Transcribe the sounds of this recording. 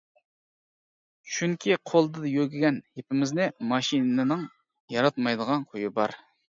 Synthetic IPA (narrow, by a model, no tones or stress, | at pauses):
ʃʰyŋkʲʰiqʰolˠd̪ɨd̪jøɡʲiɡʲɛnhepʰɪmɪznɪmɑʃinɨɨnɨŋ | jɑɾɑt̪mɑjd̪əʁɑnqʰojibɑ̰ɾ